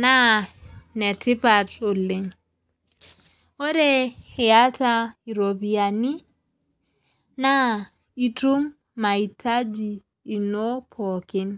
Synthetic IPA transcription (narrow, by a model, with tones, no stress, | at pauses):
na˦ | nɛ˨ti˦pato˨le˨ŋ | ɔ˦ɾɛhɛ˨jatai˨ɾo˨bi˨ani˦ | na˦ | i˦tu˦mː | a˨i˨tʰa˦d͡ʒiː˨ | nopʰɔ˨ki˦n